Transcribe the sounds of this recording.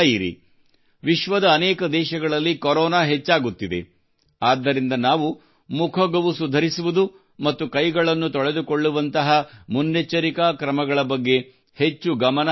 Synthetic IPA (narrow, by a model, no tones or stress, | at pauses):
iɾḭ | ʋiʃʋɐd̪ɐːnɛːkɐd̪ɛːʃɐɡɐɭɐlːikoɾɔːnaːɦet͡ʃːaːɡut̪ːid̪e̞̰ | aːd̪ːɐɾind̪ɐnaːʋu | mukʰɐɡɐʋusud̪ʱɐɾisuʋud̪u | mɐt̪ːukɐjɡɐɭɐnːut̪ɔɭe̞d̪ukoɭːuʋɐnt̪ɐɦɐmunːet͡ʃːɐɾikakɾɐmɐɡɐɭɐbɐɡːe̞ | het͡ʃːuɡɐmɐnɐ